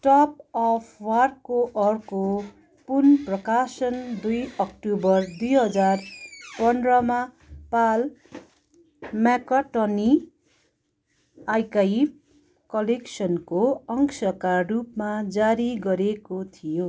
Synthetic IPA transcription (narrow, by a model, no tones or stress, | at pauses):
ʈʌp̚ʌpʰwarkoʔʌrko | punprʌkasʌnd̪ujʌk̚ʈubʌrd̪ujɦʌd͡zarpʌnrʌma | pal | makaʈʌni | ajkaib̚ | kʌleksʌnkoʌŋksʌkarupmad͡zaɾiɡʌɾekot̪ʰijo